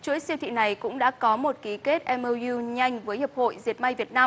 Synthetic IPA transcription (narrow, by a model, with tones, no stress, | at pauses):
t͡ɕu˨˧˥əjsi˧wt̪ʰḭ˧˨na˨˩jkʊ̰˧˥ŋ͡mɗa̰ː˧˥kɔ˨˦mo˨˩t̚ki˨˦ke˦˥t̚ʔɛ˧məː˧i˧ɲa˧jŋ̟vəː˨˦jhə˨˩p̚ho̰˧˨jzi˨˩ət̚ma˧jvi˨˩ət̚naː˧